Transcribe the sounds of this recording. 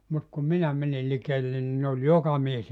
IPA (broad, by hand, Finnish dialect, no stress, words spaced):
mut kum minæ mænil likeːlːen ni ne olʲ jokɑ mies